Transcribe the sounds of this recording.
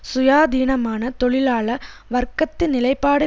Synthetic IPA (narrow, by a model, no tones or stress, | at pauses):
sʊjaːd̪iːnɐmaːnɐt̪ɔɭɪlaːɭɐʋɐɾkɐt̪ːɪnːɪlɐɪpːaːɽɯ